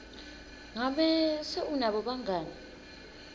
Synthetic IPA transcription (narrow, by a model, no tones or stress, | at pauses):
ŋaɓɛsɛunaɓɔɓaŋaːni